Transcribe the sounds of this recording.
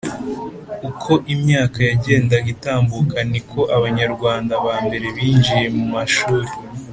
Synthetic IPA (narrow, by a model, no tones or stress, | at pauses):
ukʰo̞ʔimɲaːkajaɟe̞ːndaɡitaːmbukanikʰo̞ʔaβaɲaɾɡwaːndaβaːmbe̞ɾe̞βiːnd͡ʒije̞mumaʃuːɾi